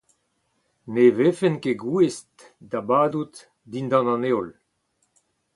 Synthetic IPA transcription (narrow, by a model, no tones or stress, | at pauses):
nevefenkeɡuest | dabaːd̪ut̪ | d̪ind̪ɑ̃nɑ̃neɔl